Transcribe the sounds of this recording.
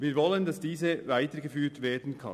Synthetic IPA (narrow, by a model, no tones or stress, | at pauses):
viːɐvɔləndɑsd̥iːzəvaɪtəɡəfyːtveːɐdn̩kʰɑ̰